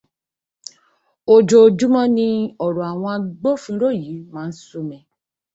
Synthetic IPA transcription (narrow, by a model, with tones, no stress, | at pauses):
o˧d͡ʒo˧˨d͡ʒu˦mɔ̃˦nĩ˧ɔ˨ɾɔ˨a˨w̃ɔ̃˧a˧ɡ͡bo˦˨fũ˨˦ɾo˦˨ji˨˦mãː˦˧n̩˦so˧mɛ̃˧